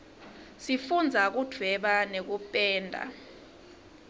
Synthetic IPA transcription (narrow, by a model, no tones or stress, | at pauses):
sifund͡zʱak̬ud̥ʱwɛɓanek̬upʼɛːndʱa̰